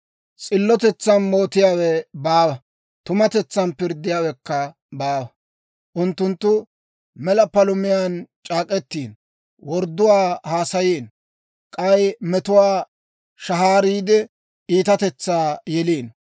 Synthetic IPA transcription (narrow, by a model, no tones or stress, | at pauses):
t͡sʼɪlːɔt̪ɛt͡sːɐnmo̞ːt̪ɪjaːwɛbaːwɐ | t̪ʊmɐt̪ɛt͡sːɐnpɪɾd̪ːɪjaːwɛkːɐ | baːwɐ | ʔʊnt̪ːʊnt̪ːʊ | mɛlɐpɐlʊmɪjaːnt͡ʃʼaːkʼɛt̪ːiːn | wɔɾd̪ːʊwaːhaːsɐjiːn | kʼɐjmɛt̪ʊwaː | ʃɐɦaːɾiːd̪ɛ | iːt̪ɐt̪ɛt͡sːaːjɛliːn